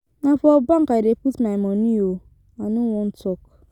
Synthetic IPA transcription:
nafɔbaŋ̩kaiɾepitmaimonio | anuwun̩tok

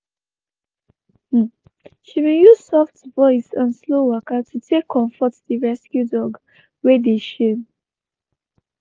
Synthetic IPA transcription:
ʃimejuzsɔftvɔɪsãnslowəkatʰutʰekʰːɔ̃ɱfɔtdiɹɛskjudɔɡ | wedeʃen

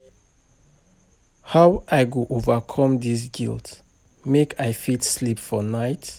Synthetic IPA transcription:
hawʔajɡuʔovəkʰɔ̃mdis̬ɡḭlˠt | mekʰajfitslipfɔnaɪt

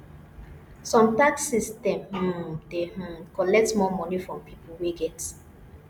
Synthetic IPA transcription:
sɔ̃mtaksistɛ̃mh̩deh̩kɔlɛk̚tmɔmɔnifɹɔ̃mpipulweɡɛt

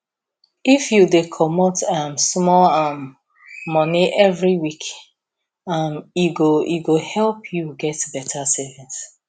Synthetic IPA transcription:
ifjudekʰɔmɔtãmsmɔlamː | ɔniʔɛvɹiwik | amiɡoiɡohɛlˠpʰjuɡɛtbɛtʰasɛvĩns

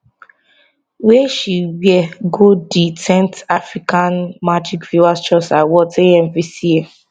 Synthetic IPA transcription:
wɛʃiwiɛɡodisɛ̃ntafɹikãnmad͡ʒikfjuast͡ʃɔsawɔtʰẽɛmvisie

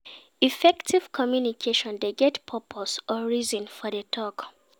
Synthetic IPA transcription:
ifɛktʰiv̥kʰɔmjunikʰeʃɔ̃ndeɡɛtpʰɔpʰosɔɹizɔ̃nfɔdetʰɔk

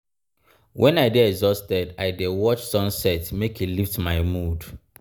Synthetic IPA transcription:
wʔɛ̃naɪdiɛɡzɔstɛdaɪdewɔt͡ʃsɔ̃nsɛtmekiliftmaɪmud

